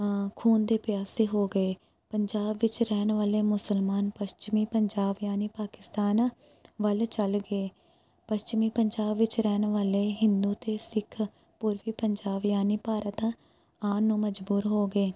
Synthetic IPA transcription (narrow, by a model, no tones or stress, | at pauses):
kʰuːnd̪eːpɪjaːseːɦoːɡəeː | pəɲd͡ʒaːbʋɪt͡ʃɾɛːnʋaːleːmʊsəlmaːnpəst͡ʃɪmiːpəɲd͡ʒaːbjaːniːpaːkɪst̪aːn | ʋəlt͡ʃəlɡəeː | pəʃt͡ʃɪmiːpəɲd͡ʒaːbʋɪt͡ʃɾɛːnʋaːleːɦɪnd̪uːt̪eːsɪkʰ | pʊɾʋiːpəɲd͡ʒaːbjaːniːpaːɾət̪ | aːnːũːməd͡ʒbuːɾɦoːɡeː